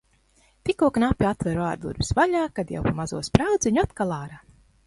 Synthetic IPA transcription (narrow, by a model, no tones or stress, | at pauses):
t̪ikuɔknapʲːiat̪vʲɛɾaːɾd̪ṵɾvi̥svaʎaːkad̪ja̰wpamazuɔspɾawd̪zʲiɲuat̪kalˠaːɾaː